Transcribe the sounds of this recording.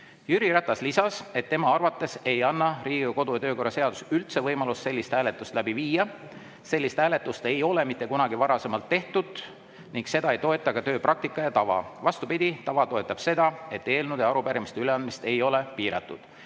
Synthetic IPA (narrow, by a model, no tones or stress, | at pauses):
jyɾiɾæt̪ːˑɑslisɑse̞t̪ːe̞mɑɑrvɑt̪ːˑe̞se̞jɑnːɑriːɡiuko̞d̪ujɑt̪ø̞ːko̞rːɑse̞ɑd̪̥usylt̪se̞vɤjmɑlusːe̞lːist̪hæːle̞t̪ːˑust̪læbiviːjɑ | se̞lːist̪hæːle̞t̪ːˑust̪e̞jo̞le̞mit̪ːˑe̞kunɑɡivɑɾɑse̞mɑlt̪ːe̞ht̪ud̪̥ | niŋkse̞d̪ɑejt̪o̞e̞t̪ːˑɑkɑt̪ø̞ːprʔɑk̚t̪ikːˑɑjɑt̪ɑvɑ̰vɑst̪upid̪ʲit̪ɑvɑt̪o̞e̞t̪ˑːɑb̥se̞d̪̥ɑe̞t̪ːˑe̞ːlnud̪jɑɑɾupæɾimist̪eyleɑnd̪mist̪e̞jo̞le̞piːɾɑ̰t̪ːˑud̪̥